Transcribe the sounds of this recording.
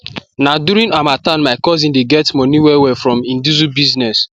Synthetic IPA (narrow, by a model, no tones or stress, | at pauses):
naduɾĩnamatanmaɪkɔzĩndeɡɛtmɔniwɛwɛfɹɔ̃mĩndizubiznɛs